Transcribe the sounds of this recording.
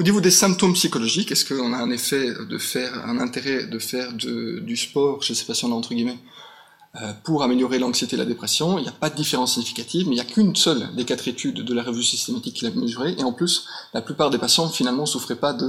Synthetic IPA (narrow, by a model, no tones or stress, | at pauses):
onivod̪esɛ̃p̚t̪ompsikɔlɔʒikɛskəɔ̃naɛ̃nefɛø̰d̪ə̰fɛːʁɛ̰̃nɛ̃t̪eʁɛd̪əfɛːʁd̪ə̰d̪yspɔːʁʃese̥pasjɑ̃laɑ̃t̪χəɡʲimɛ | øpuʁameljɔʁelɑ̃ksjet̪eela̰d̪epχɛsjɔ̃iljapad̪əd̪ifeʁɑ̃siɲifi̥kat̪ivmeiljakʲʰynsœld̪ekat̪χet̪ʰyd̪ːəlaʁəvysist̪emat̪ikʰːilaməzyʁeʔeɑ̃plyslaplypaːʁd̪epasjɑ̃finalmɑ̃sufχɛpad̪ə